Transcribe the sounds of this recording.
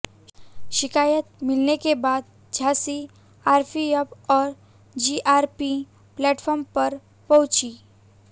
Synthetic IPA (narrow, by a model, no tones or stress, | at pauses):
ʃɪkaːjət̪̚mɪlnekebaːd̪̚ | d͡ʒʱaːsi | aːɾpʰiəbɔːɾ | d͡ʒiʔaːɾpi | plɛːʈfʰɔːɾmpəɾ | pɔwt͡ʃiː